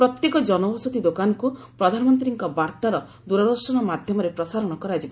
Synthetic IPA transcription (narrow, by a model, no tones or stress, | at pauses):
pɾɔt̪jekɔd͡ʒɔnɔbɔsut̪id̪okanɔku | pɾɔd̪ʱanɔmɔnt̪ɾiŋkɔbaɾt̪aɾɔ | d̪uɾad̪ɔɾsɔɽ̃ɔmad̪ʱjɔmɔɾepɾɔsaɾɔɽ̃ɔkɔɾad͡ʒib